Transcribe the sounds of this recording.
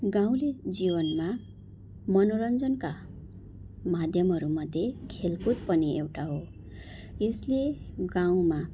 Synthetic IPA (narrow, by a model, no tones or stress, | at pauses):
ɡaw̃led͡zibʌnma | mʌnoɾʌnd͡zʌnka | mad̪ʱjʌmɦʌɾumʌd̪ʱːjekʰelkut̪̚pʌniewʈaɦo | jesleɡaw̃ma